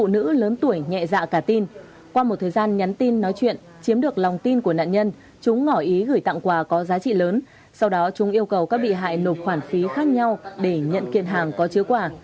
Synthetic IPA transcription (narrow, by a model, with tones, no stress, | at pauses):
fṵ˧˨nɨ̰˧˥ləː˨˦nt̪u˧˩əjɲɛ̰˧˨za̰ː˧˨kaː˧˩t̪i˧n | kwaː˧mo˨˩t̚t̪ʰəː˨˩jzaː˧nɲa˨˦nt̪i˧nːɔ˨˦jt͡ɕwḭ˧˨ən | t͡ɕi˨˦əmɗɨ˨˩ək̚la˨˩wŋ͡mt̪i˧nku˧˩əna̰ː˧˨nɲə˧n | t͡ɕʊ˨˦ŋ͡mːɔ˧˩ʔi˨˦ɣɨ˧˩jt̪a̰˧˨ŋkwaː˨˩kɔ˨˦zaː˨˦t͡ɕḭ˧˨ləː˨˦n | sa˧wɗɔ˨˦t͡ɕʊ˨˦ŋ͡mʔi˧əwkə˨˩wkaː˦˥k̚ɓḭ˧˨ɦa̰ː˧˨jno˨˩p̚xwaː˧˩nfi˨˦xaː˦˥k̚ɲa˧wɗe˧˩ɲə̰˧˨nkḭ˧˨ənɦaː˨˩ŋkɔ˨˦t͡ɕɨ˨˦əkwaː˧˩